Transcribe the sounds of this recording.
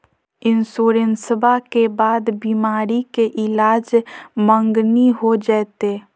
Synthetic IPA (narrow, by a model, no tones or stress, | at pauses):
ɪnsoːɾensəbʱakebaːd̪biːmaːɾikeʔɪlaːd͡ʒmə̃ŋɡniɦod͡ʒaːt̪e